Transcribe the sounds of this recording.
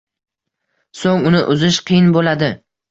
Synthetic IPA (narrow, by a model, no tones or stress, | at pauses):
soŋʊnɪʔʊzɪʃqʰɨjɪnbolad̪ɪ